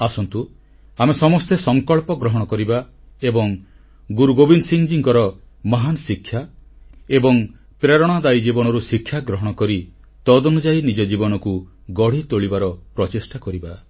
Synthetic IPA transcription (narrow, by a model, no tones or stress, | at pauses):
asɔnt̪u | amesɔmɔst̪esɔŋkɔɭpɔɡɾɔɦɔɽ̃ɔkɔɾiba | ebɔŋ | ɡuɾuɡobinsiŋd͡ʒiŋkɔɾɔ | mɔɦanɔsikʰːja | ebɔŋ | pɾeɾɔɽ̃ad̪ajid͡ʒibɔɽɔɾusikʰːjaɡɾɔɦɔɽ̃ɔkɔɾi | t̪ɔd̪ɔnud͡ʒainid͡ʒɔd͡ʒibɔnɔku | ɡɔɽ̤it̪oɭibaɾɔpɾɔt͡ʃisʈakɔɾiba